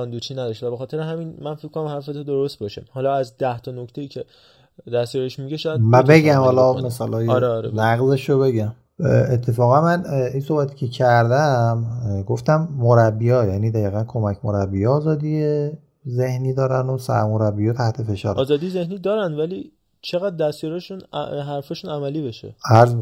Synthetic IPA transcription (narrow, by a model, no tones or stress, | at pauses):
ɒnd̪ut͡ʃʰiːnæd̪ɒʃt̪væbexɒːt̪ʰeɾeɦæminmænfekʰkonæmhæɾfet̪ʰod̪oɾost̪̚bɒʃehɒlɒæzd̪æht̪ʰɒnokʰt̪ʰe̞jiːcʰe | d̪æst̪jɒɾeʃmiɡeʃɔæmæbe̞ɡæmhɒːlɒme̞sɒːlɒːjɾeɾenæɣzeʃobe̞ɟæm | et̪ʰːe̞fɒːɣænmæninsohbæt̪ʰi̥ːcʰe̞cʰæɾd̪æmɡo̞ft̪æmːoɾæbːijɒːjæniːd̪æjiːɣænkʰo̞mæcʰmoɾæbːijeɒːzɒːd̪ije | zehniːd̪ɒːɾænd̪osæ̰ɾmoɾæbːijɒt̪ʰæht̪ʰe̞fe̞ʃɒ̰ːɾɒːzɒːd̪ijzehniːd̪ɒːɾænd̪væli | t͡ʃʰe̞ɣæd̪ːæsjɔɾeʃun̰ɦæɾfɒːʃunæmæliːbeʃḛæɾzb